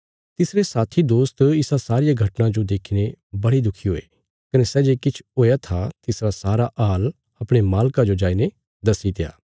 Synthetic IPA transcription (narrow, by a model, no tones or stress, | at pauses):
t̪ɪsɾesaːt̪ʰid̪oːst̪ɪsasaːɾɪjaɡʱɐʈnãd͡ʒod̪eːkʰinebɐɽid̪ʊkʰiɦoːḛ | kɐnesɛːd͡ʒekɪt͡ʃʰɦoːjat̪ʰat̪ɪsɾasaːɾaʔaːl | ɐpɽ̃emaːlkad͡ʒod͡ʒaːine | d̪ɐsit̪eja̰ː